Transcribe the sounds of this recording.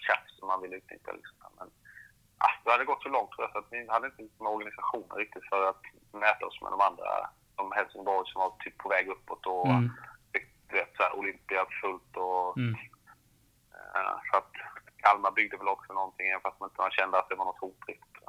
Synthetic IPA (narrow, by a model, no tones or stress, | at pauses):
kʰɾa̰fsɔmːanvɪlːəʉ̟t̪nɪ̰kːa̰lɪ̰ksɔmd̪æ̰mɛn | ʔa̰hd̪ɛhad̪ːəɡɔt̪ːsɔlɔŋt̪ʰːɾuːjasat̪vɪhad̪əɪnt̪əjʊt̪ːmɛɔɾɡanɪsaɧuːnə̰nɾɪk̚t̪ɪt̪fœɾat̪ | mɛːt̪aɔsmɛ̰d̪ɔmand̪ɾa̰ | sɔmhɛlsɪŋbɔɾjsɔmvat̪ʰyːpʰːɔvɛːɡɵpːɔt̪ʰɔfɪkt̪d̪̥ɵveːt̪sɔæ̰ːɾʔʊlʏmpɪafɵlt̪ɔ | sɔat̪kʰalmabʏɡ̚d̪əvɛlɔksɔnɔnt̪ʰɪŋːɛənfəɾast̪manɪnt̪əvanɕɛnd̪əat̪̚d̪ɛvanɔt̪huːʈɾɪk̚t̪ɪ̥t̪ː